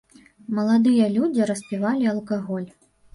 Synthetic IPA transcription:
mɐlˠad̪ɨjɐlʲud͡zʲiɾɐsʲpʲivalʲiɐlˠkaɣɔlʲ

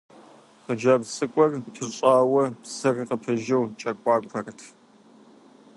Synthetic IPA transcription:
qəd͡ʒaːbsʼɨkʷʼɔrpʰɨɕʷʼaːwɐbsɐrqəpʰɐʒɐwt͡ʃʼɐkʷʼɑːkʷʰɐrtʰ

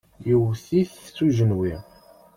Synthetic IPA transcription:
jəwθiθt͡sːuʒənwi

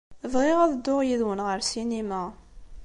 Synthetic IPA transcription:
vʁɪʁæðd̪ːʊʁjiðwənʁəɾsinimæ

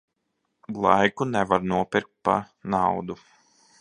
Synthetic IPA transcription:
blˠa̰jkunɛvaɾnuɔpʲiɾk̚t̪̚pa̰ | nawd̪u

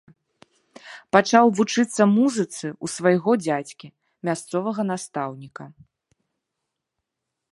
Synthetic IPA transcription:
pat͡ʂawvut͡ʂɨt̪sːɐmuzɨt̪sɨusvajɣɔd͡zʲat͡sʲkʲi | mʲast̪sɔvɐɣɐnast̪awnʲikɐ

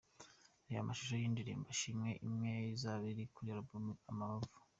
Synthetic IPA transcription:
ija̰mʔaʃuʃojiːndiɾḭːmbaʃimŋe̞ʔimŋeizaβiɾikuɾiaɾubmamaɾovu

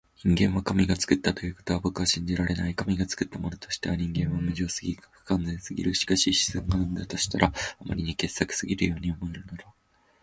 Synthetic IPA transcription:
ɲĩŋɡẽ̞ɰ̃βakamʲiɡat͡sɨ̥kɯ̟t̪ːat̪o̞jɯ̟ːko̞̥t̪oabokɯ̟βaɕĩɲ̟d͡ʑiɾaɾʔe̞naikamʲiɡat͡sɨ̥kɯ̟t̪ːamo̞not̪o̞ɕi̥t̪e̞βaɲ̟ĩŋɡẽ̞ɰ̃βamɯ̟ʑo̞ːsɨɡʲikḁkɯ̥kãnzẽɰ̃sɨɡʲḭɾɯ̟ɕi̥kaɕiːɕi̥zɨ̃ŋɡaɯnd̪at̪oɕi̥t̪aɾaama̰ɾʲiɲ̟ike̞sːakɯ̟̥sɨɡʲiɾɯ̟jo̞ːɲ̟io̞mo̞eɾɯ̟nad̪o

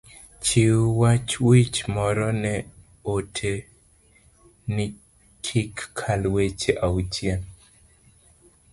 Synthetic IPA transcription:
t͡ʃiwat͡ʃwit͡ʃmɔɾɔnɛ | otʰe | nɪ | kʰikʰːalwet͡ʃeʔaut͡ʃjɛn

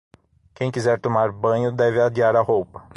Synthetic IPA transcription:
kẽj̃kizɛɾt̪omaɾbɐ̃ɲʊd̪ɛvɪad͡ʒiaɾɐhowpɐ̥

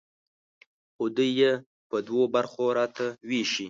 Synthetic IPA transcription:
ʊd̪əje | pəd̪wobaɾxoɾɑt̪aweʃi

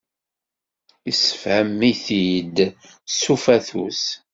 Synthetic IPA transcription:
isːə̥fhəmːiθid̪ | sːufæθus

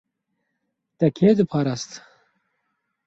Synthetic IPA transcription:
d̪̥ɛkʰeːd̪ɨpʰɑːɾast̪

